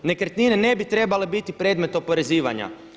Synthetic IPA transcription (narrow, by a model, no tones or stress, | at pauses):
ne̞kɾt̪ninene̞bit̪ɾe̞bale̞bit̪ipɾe̞d̪me̞t̪o̞po̞ɾe̞ziːʋa̰ɲa̰